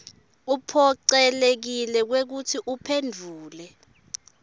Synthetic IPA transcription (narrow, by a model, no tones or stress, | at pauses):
upʰɔǀɛlek̬ilɛk̬wek̬utʰiʔupʰendʱuːlɛ